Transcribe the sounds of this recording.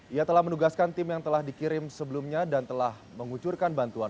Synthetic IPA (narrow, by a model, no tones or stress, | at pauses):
ʔijat̪əlahmənuɡaskant̪ɪmjaŋt̪əlahdikiɾɪmsəbəlumɲadant̪əlah | məŋut͡ʃurkanbant̪uan